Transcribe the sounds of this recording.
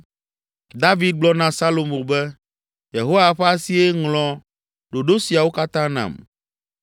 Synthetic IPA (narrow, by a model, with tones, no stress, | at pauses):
d̪a˦vi˦d̪̚ɡ͡blɔ˦nã˦sa˦lo˨mo˨bɛ˦ | je˨ɦo˦wa˨ɸɛ˦a˦si˦e˦ŋlɔ̃˨ | ɖo˨ɖo˦si˨a˨wo˦ka˦t̪ã˦nã̰˨m